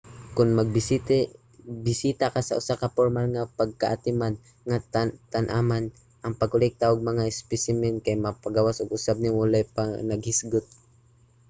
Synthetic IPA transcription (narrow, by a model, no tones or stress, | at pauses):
kʊnmɐɡ̚bt̪ | bɪsiːt̪akasaʔʊsakapoɾmalŋapaɡ̚kaʔat̪ɪman | ŋat̪anʔaman | ʔɐŋpaɡ̚kʊlɛk̚t̪aʔʊɡ̚mɐŋaɪspɪsɪmɛnkajmapaɡawasʊɡʊsab̚nɪŋwalajpanaɡhɪsɡʊt̪̚